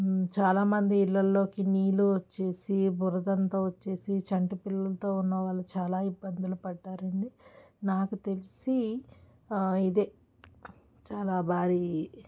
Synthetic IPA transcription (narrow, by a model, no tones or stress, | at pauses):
t͡ʃaːlaːmɐnd̪iːlːɐlːo̞ːkiniːluot͡ʃːe̞ːsibʱuɾɐd̪ɐnt̪oːʋɐt͡ʃːe̞ːsit͡ʃɐɳʈipilːɐlɐt̪o̞ːunːɐʋaːɭːɐt͡ʃaːlaːibːɐnd̪ɐlɐpɐɖːaːɾɐɳɖinaːkut̪e̞lisi | id̪eː | t͡ʃaːlaːbʱaːɾiː